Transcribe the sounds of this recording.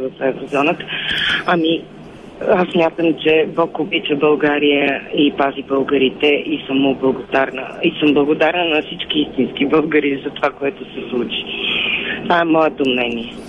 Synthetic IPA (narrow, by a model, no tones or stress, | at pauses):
vəfɛvɾozɔnət̪ə̥ami | asːmʲjat̪əmt͡ʃɛbɔkobit͡ʃəbəlˠɡaɾijəipazibəlˠɡəɾit̪ɛʔisəmoblˠəɡod̪aɾnə̰isəmblˠəɡod̪aɾnənɐfsit͡ʃkiist̪inskibəlˠɡəɾizɐt̪ovakoɛt̪osɛslˠut͡ʃi̥ | t̪vaɛmɔɛt̪omnɛniɛ